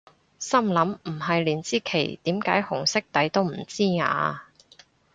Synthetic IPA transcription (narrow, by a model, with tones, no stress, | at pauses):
sɐ˥mlɐ˨˥m̩˨˩ɦɐ˨jliː˨˩nt͡siː˥kʰe˨˩jt̪iː˨˥mkaː˨˥jhʊ˨˩ŋsɪ˥k̚t̪ɐ˨˥jt̪o˥wm̩˨˩t͡siː˥ŋa̰ː˨˧